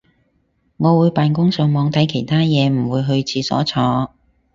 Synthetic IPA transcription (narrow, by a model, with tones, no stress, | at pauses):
ŋɔː˨˧wuː˨˧jpaː˨˧nkʊ˥ŋsœː˨˧ŋmɔː˨˧ŋt̪ʰɐ˨˥jkʰe˨˩jt̪ʰaː˥jɛː˨˧m̩˨˩wuː˨˧jɦɵ˧ɥt͡sʰiː˧sɔ̰ː˨˥t͡sʰɔː˧